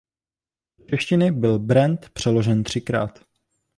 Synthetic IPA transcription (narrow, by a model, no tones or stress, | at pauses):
t͡ʃɛʃcɪnɪbɪlbɾɛnt̪pr̝̥ɛlo̞ʒɛnt̪r̝̥ɪkɾa̰ːt̪